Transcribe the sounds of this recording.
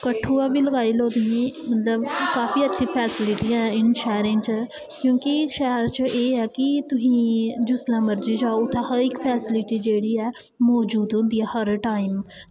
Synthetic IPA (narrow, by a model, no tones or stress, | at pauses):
kəʈʰːuːɛːbiːləɡaːiːloːd̪iẽːmət̪ləbkaːfiːətːʃʰĩːpʰɛːsɪlɪʈiːɛ̃ːɪnʃɛːɾẽːt͡ʃə | kjõːkiʃɛːɾt͡ʃʔeːɛːkɪt̪ʊsĩːd͡ʒʊslãːməɾd͡ʒiːd͡ʒaːoʊt̪ʰːãːhəɾɪkpʰɛːsɪlɪʈiːd͡ʒeːɽiːɛː | mɔːd͡ʒuːd̪ɦʊ̃nd̪iːɛːhəɾʈaːim